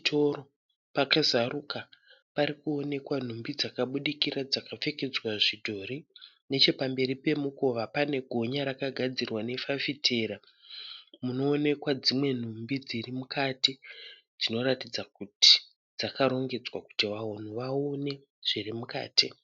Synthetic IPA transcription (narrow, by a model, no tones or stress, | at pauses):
tʰoɾo | pakazaruka | paɾikuo̞ne̞kwan̤umbid͡zakaɓuɗikirad͡zakap͡fe̞ke̞d͡zwaʐidʱo̞ɾi | ne̞t͡ʃe̞pambe̞ɾipe̞muko̞ʋapane̞ɡʱo̞ɲaɾakaɡʱad͡zirwane̞fafitʰeːɾa | muno̞ːne̞kwad͡zimwe̞n̤umbid͡zirimukati | d͡zino̞ɾatid͡zakuti̥ | d͡zakaɾo̞ŋɡe̞d͡zwaku̥tiʋaɦon̤uʋaone̞ | ʐ̥irimuka̰ːti